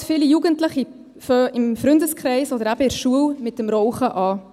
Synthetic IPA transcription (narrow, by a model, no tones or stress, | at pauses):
fɪlijuɡəntləχi | føɪmfɾʏndəskʰɾɛɪsɔdəɾæb̥əɪɾʃuəwmɪtːəmɾɔwχəʔɑː